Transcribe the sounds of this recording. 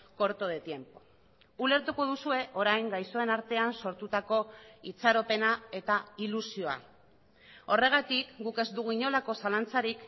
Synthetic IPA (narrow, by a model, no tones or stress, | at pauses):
ko̞ɾt̪oðe̞t̪je̞mpo̞̥ | ule̞ɾt̪uko̞ð̞usue̞ʔo̞ɾajŋɡajso̞e̞naɾt̪e̞anso̞ɾt̪ut̪ako̞it͡saɾo̞pe̞nae̞t̪ailusio̞a̰ | o̞re̞ɣ̞at̪ikɡuke̞zd̪uɣuiɲo̞lako̞salant͡saɾik